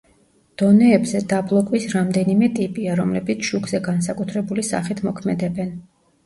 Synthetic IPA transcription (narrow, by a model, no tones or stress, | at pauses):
d̪̥ɔnɛːbzɛd̪ablˠɔkʼwisɾamd̪ɛnimɛt̪ʼipʼiaɾɔmlɛbit̪sʰʃuɡzɛɡans̬akʼut̪ʰɾɛbulisa̰χit̪ʰmɔkʰmɛd̪ɛbɛn